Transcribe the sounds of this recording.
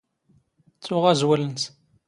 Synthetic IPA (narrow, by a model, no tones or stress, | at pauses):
t͡sːʊʁæzwæləns